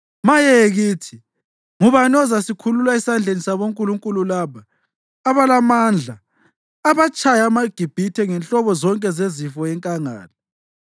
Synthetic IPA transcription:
majɛɣiːtʰi | ŋuβanɔzasikʰululaisand͡ɮʱenisaβoŋkʼuluŋkʼululaːβaː | βalamaːnd͡ɮʱaː | βat͡ʃʰʼajamaɡ̥ʱib̥ʱitʰɛŋɛnɬɔβɔzɔŋkʼɛzezifɔjɛŋkʼaŋa̰ːla

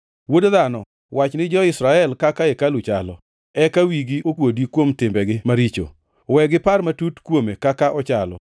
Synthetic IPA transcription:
wodðanɔ | wat͡ʃnɪd͡ʒɔɪsɾaɛlkakaekalʊt͡ʃalɔ̰ | ɛkawiɡiokwodikwomtɪmbɛɡɪmaɾit͡ʃo̰ | wɛɡɪparmatutkwomekakaʔɔt͡ʃalɔ̰

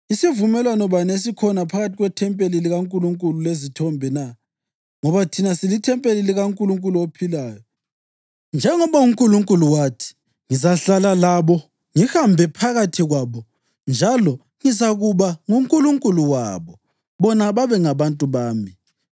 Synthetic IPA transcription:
isivumɛlwanɔβanes̬ikʰɔnapʰaɣatʰiɣwɛtʰɛmpʼeliliɣaŋkʼuluŋkʼululezitʰɔmbʱɛna | ŋɔβatʰinasilitʰɛmpʼeliliɣaŋkʼuluŋkʼuluopʰilaːjɔ | nd͡ʒʱɛŋɔβauŋkʼuluŋkʼuluwatʰi̥ | ŋizaɬalalaβɔ | ŋihambʱɛpʰaɣatʰiɣwaβɔ | nd͡ʒʱalɔ | ŋizaɣuβaŋuŋkʼuluŋkʼuluwa̰βɔ | βɔnaβaβɛŋaβantʼuβaːmi

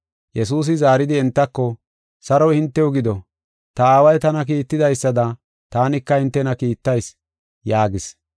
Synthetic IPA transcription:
jɛsuːs̬ɪzaːɾɪd̪ɪɛnt̪ːɐkːɔ | sɐɾɔjhɪnt̪ːɛʊɡɪd̪ɔ | t̪ɐaːwɐjt̪ɐnɐk̬iːt̪ːɪd̪ɐjsːɐd̪ɐ | t̪aːnɪkːɐhɪnt̪ːɛnɐkiːt̪ːɐjs | jaːɡɪs

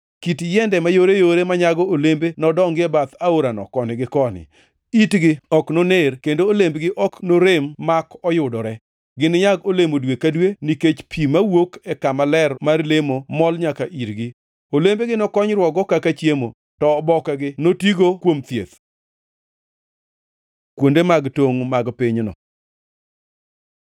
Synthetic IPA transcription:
kitjɛndɛmajoɾejoɾemaɲaɡɔolembenɔdɔŋɡɪɛbat̪aoɾanɔ̰kɔnɪɡɪkɔnɪ̰ | itɡɪɔknonerkendoːlembɡɪʔɔknoɾemːakɔjʊdɔɾɛ | ɡɪnɲaɡolemodwekadweniket͡ʃpʰimawokɛkamalɛrmarlemomɔlɲakaʔiɾɡɪ | olembeɡɪnɔkɔɲɾwɔɡɔkakat͡ʃjemo | tɔːbɔkɛɡɪnotiɡokwomt̪jḛt̪ | kwondemaɡtoŋmaɡpɪɲnɔ̰

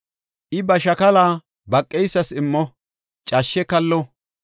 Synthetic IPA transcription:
ʔɪbɐʃɐkɐlaː | bɐkʼːɛjsːɐsɪmːɔ | t͡ʃʼaʃːɛkɐlːɔ

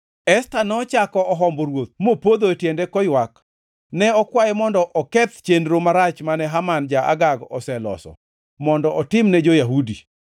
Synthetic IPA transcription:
ɛstanɔt͡ʃakɔɔɦɔmboɾwot̪̚mopod̪oetjendekɔjwak | nɛɔkwajɛmɔndɔʔɔkɛt̪t͡ʃendɾomaɾat͡ʃmanɛɦamand͡ʒaʔa̰ɡaɡɔ̰sɛlɔ̰sɔ̰ | mɔndɔʔɔtɪmnɛd͡ʒojaɦudi

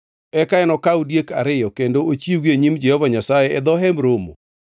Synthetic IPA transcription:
ɛkaɛnɔkaudjeka̰ɾɪjɔkendoot͡ʃiweɲimd͡ʒɛhɔvaɲasajɛɛd̪ɔɦɛmɾomo̰

